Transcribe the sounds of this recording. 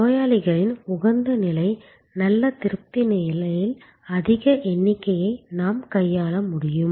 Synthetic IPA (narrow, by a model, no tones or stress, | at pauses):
oːjaːɭɪɣɐɭɪnʊɣɐnd̪ɐnɪlɐɪ | nɐlːɐt̪ɪɾɯp̚t̪ɪnɐɪlɐjɪl | ɐðɪɣɐʔɛnːɪkːɐjɐɪnaːmkɐjːaːlɐmʊɽɪjɯm